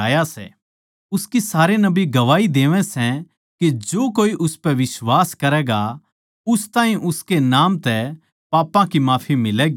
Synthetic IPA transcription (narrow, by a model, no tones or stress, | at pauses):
aːjasɛ̰ | ʊskisaːɾenɐbiɡɐʋaːid̪eːʋɛ̃sɛ̃ | ked͡ʒoːkoːiʔʊspɛʋɪswaːskɐɾɛːɡa | ʊst̪ãːĩʔʊskenaːmt̪ɛ | paːpãkimaːpʰimɪlɛːɡi